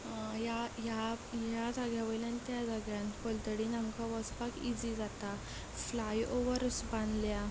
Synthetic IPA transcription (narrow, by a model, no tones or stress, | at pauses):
jajajad͡zaɡjaʋəjlanit̪jad͡zaɡjankɔlt̪əɽinãŋkaʋɔspakid͡zid͡zat̪a | flajoʋəɾsbãnd̪lja